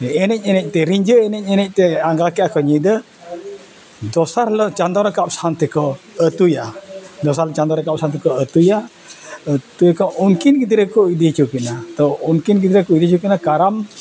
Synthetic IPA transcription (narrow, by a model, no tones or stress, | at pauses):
eenɛc̚ɲenɛʔ̚t̪eɾiɲd͡ʒəenɛc̚ɲənɛʔ̚t̪eaŋɡakiakɔɲidə | dɔsarlət͡ʃand̪ɔɾəkaʔpsant̪əkɔ | ət̪ujadɔsaɾlt͡ʃand̪ɔɾəkap̚sant̪ikɔət̪uja | ət̪ukɔuŋkinkid̪ɾəkuidit͡ʃukinat̪ouŋkinkid̪ɾəkuidit͡ʃukinakaɾam